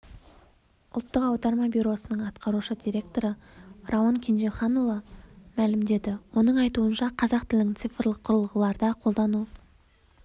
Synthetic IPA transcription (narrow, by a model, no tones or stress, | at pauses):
ʊ̰lˠt̪ːəqɑwd̪ɑɾmɑbʲuɾo̞sənəɴɑt̪qʰɑɾuʃəd̪ʲijɾʲe̞k̚t̪o̞ɾərawoŋkʲʰenʒeχɑnulˠɑmælɪmd̪e̞d̪ɪwo̞nəɴɑjt̪uənʃɑqʰɑzɑqt̪ʰɪld̪ɪŋt̪sijfrlˠəqʰːʊɾəlˠəʁəlˠɑɾd̪ɑqʰo̞lˠd̪ɑnu